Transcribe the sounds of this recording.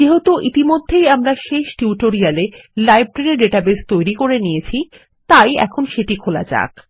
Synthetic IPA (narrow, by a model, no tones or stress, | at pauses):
d͡ʑeɦot̪oʔit̪imod̪ʱːejamɾaʃeʃʈiuʈoɾialelajb̚ʈɾeɾeɾɖeʈabest̪ojɾikoɾenijet͡ɕʰi | t̪ajɛ̰kʰonʃeʈikʰola̰d͡ʑa̰k